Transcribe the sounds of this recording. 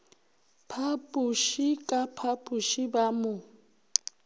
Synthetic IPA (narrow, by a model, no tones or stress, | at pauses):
pʰapʼuʃikʼapʰapʼuʃibamʊ